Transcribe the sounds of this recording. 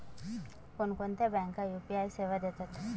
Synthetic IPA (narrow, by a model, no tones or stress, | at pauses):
konkont̪ebɛŋkːajupiajseʋad̪et̪at̪ʰ